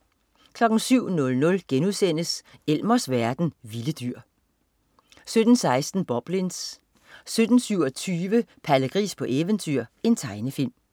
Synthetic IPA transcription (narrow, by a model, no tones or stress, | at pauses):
kʰlɒ̽ɡ̥n̩syʊ̰nɔ̽lnɔ̽lɡ̥enuðˠsen̰əsel̰mɐsʋæɐd̥n̩ʋiləd̥yɐ̰ | sød̥n̩sɑ̈ɪsd̥n̩b̥ɒ̽b̥lins | sød̥n̩syʊɒt͡sʰyːʋəpʰæləɡ̥ʁḭːspʰɒ̽ʔeʋənt͡sʰyɐ̰e̝nt͡sʰɑ̈ɪnəfil̰m